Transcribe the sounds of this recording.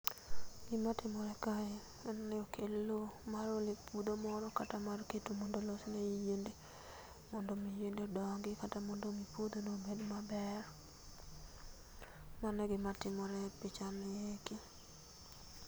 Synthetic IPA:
ɡɪmatɪmɔɾɛkaɛ | ɛnnɛokʰelːomaɾolepʰud̪omɔɾɔkatamarketumɔndolɔsnejijende | mɔndomijendeodɔŋɡɪkatamɔndomipud̪onobedmabɛr | manɛɡɪmatɪmɔɾɛpɪt͡ʃamɛjeki

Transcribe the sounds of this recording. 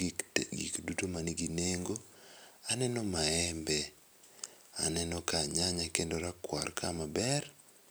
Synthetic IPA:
ɡḭkdutomaniɡineŋɡoanɛnɔmaɛmbɛ | a̰nɛnɔkaɲaɲakendoɾakwa̰rkʰamabɛr

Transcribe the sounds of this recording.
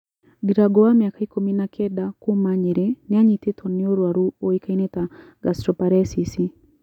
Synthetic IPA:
ɡiɾaɡowamjakaikuminakʰɛdakumaɲeɾenɪaɲitɪtʰonɪoɾwaɾuoikaineta | ɡastɾɔpaɾɛsisi

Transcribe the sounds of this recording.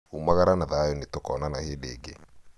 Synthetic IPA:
umaɣaɾanaðajɔnetokɔnanaheːdeːɡe

